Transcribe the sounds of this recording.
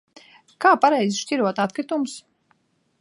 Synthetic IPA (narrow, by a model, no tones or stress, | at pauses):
kaːpaɾɛjzʃtʲiɾuɔt̪at̪kɾit̪ums